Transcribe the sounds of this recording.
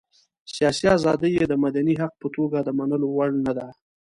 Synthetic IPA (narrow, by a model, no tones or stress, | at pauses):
sijɑsiazɑd̪əjed̪əmad̪aniɦaq̚pət̪oɡad̪əmanəlowaɽnad̪a